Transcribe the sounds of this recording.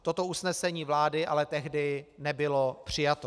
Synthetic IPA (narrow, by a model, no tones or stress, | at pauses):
t̪o̞t̪o̞usnɛsɛɲiːvlaːdɪʔalɛt̪ɛɦdɪnɛbɪlopr̝̥ɪjat̪o